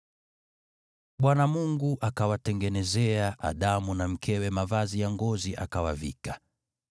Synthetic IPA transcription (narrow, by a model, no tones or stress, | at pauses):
ɓwanamuŋɡuʔakawatɛŋɡɛnɛzɛaʔa̰ɗamunam̩kʰɛwɛmavazijaŋɡɔziʔa̰kawa̰vḭka